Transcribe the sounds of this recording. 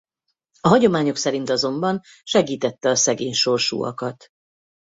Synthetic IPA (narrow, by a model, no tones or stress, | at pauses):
ɒɦɒɟo̞maːɲo̞ksɛɾin̪t̪ɒzo̞mbɒn | ʃɛɡiːt̪ɛt̪ːɛɒsɛɡeːɲʃo̞rʃṵːɒ̰kɒt̪